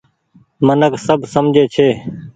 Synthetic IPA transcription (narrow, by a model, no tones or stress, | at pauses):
mənəksəbʱsəmd͡ʒʱeːt͡ʃʰeː